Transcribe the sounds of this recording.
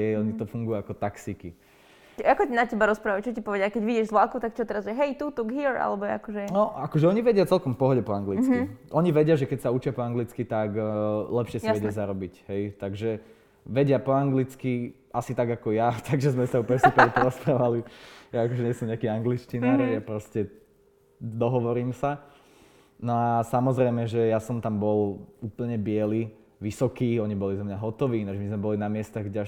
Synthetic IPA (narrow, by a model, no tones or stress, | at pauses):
ɛɔɲit̪ɔfuŋɡujuakɔt̪aksiki | akɔcinacɛbaɾɔspɾaːʋat͡ʃɔcipɔʋɛdɪakɛɟʋiɟɛʒzʋlakut̪akt͡ʃɔt̪ɛɾazʊjɛɦɛjt̪ut̪uɡɦiɾa̰lɛbɔɛa̰kɔʒɛnɔakɔʒɛɔɲiʋɛɟɪat͡sɛlkɔmfpɔɦɔɟɛpɔaŋɡlit͡skiʔɔɲiʋɛɟɪaʒɛkɛcsaut͡ʃɪapɔaŋɡlit͡skit̪aɡlɛpʃɪɛsiɛɟɪazaɾɔbicɦɛjt̪aɡʒɛ | ʋɛɟɪapɔaŋɡlit͡ski | ʔasit̪aɡakɔjat̪aɡʒɛzmɛsaupɛɛsupɛɾpɔɾɾɔspɾaːʋalijaːkɔʒɛɲɪɛsɔmɲɛakiːaŋɡliʃcinaːɾjapɾɔscɛ | d̪ɔɦɔʋɔɾiːmsa | nɔasamɔzɾɛɪmɛʒɛjasɔmt̪ambɔluːpl̩ɲɛbɪɛli | ʋisɔkiːɔɲibɔlizamɲaɦɔt̪ɔʋiːnaʒɛmizmɛbɔlinamɪɛst̪aɣɡɟɛa